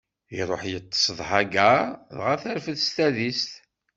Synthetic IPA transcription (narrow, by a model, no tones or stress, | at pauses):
iɾˤoħjət̪ˤːsˤðˤħaɡæðʁaθæɾfəðst̪æðist̪